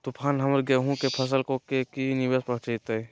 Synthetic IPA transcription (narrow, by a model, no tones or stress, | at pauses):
t̪upʰaːnɦɐməɾɡeɦũkepʰɐs̬əlkokekinɪʋeːspɐɦt͡ʃit̪e